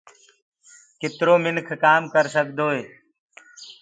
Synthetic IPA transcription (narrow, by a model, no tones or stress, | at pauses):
kɪt̪ɾoːmɪnkʰkaːmkəɾsəkd̪oːeː